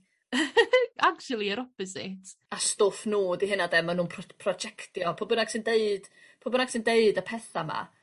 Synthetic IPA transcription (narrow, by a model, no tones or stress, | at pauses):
akt͡ʃulˠiəɾɔpɔzɪ̰tʰ | astoːfnoːdiɦɪnadɛmanuːnpʰpʰrɔd͡ʒɛktjɔpʰobənaɡ̥sɪndeɨd̥ | pʰobənaɡ̥sɪndeɨdəpʰɛθama̰